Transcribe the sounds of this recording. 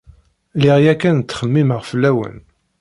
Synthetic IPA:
lɪʁjækːænt̪ːχəmːiməʁfəlːæwə̰n

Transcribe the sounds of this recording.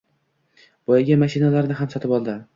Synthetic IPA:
b̥ɒjaɡʲamaʃɪnalaɾnɪɦamsɒt̪ʰɪpɒlˠd̪ɪ

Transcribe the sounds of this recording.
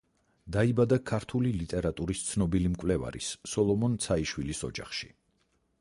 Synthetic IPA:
d̪aibad̪akʰaɾt̪ʰulilit̪ʼɛɾat̪ʼuɾist̪sʰnɔbilimkʼvlɛva̰ɾḭsːɔlˠɔmɔnt̪sʰaiʃwilisɔ̰d͡ʒa̰χʃi̥

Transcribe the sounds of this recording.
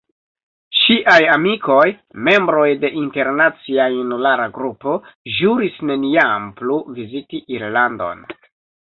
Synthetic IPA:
ʃiʔajamiko̞j | me̞mbɾo̞jde̞ʔinte̞ɾnat͡siajunulaɾaɡɾupo̞ʒuɾisne̞niampluvizitiʔiɾlando̞̰n

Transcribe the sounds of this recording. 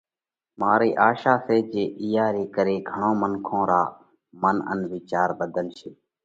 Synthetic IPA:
maːɾiːʔaːʃaːseːd͡ʒeːʔɪjaːɾiːkəɾeːɡʱəɳõːməŋkʰõːɾa̰ː | mənə̰nʋɪt͡ʃaːɾbəd̪ʱənʃeː

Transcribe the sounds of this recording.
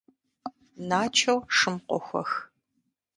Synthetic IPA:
naːt͡ʃʰɐwʂɨmqʷɔ̰xʷɔ̰x

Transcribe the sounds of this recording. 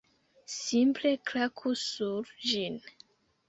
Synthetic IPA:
simple̞klakʰusuɾd͡ʒin

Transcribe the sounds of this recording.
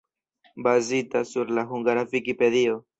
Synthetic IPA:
bazitasuɾlaɦuŋɡaɾavikipe̞dio̞

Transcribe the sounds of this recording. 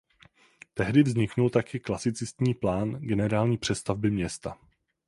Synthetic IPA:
t̪ɛɦdɪvzɲɪknult̪akɪklasɪt͡sɪst̪ɲiːplaːnɡɛnɛɾaːlɲiːpr̝̥ɛst̪avbɪmɲɛst̪a

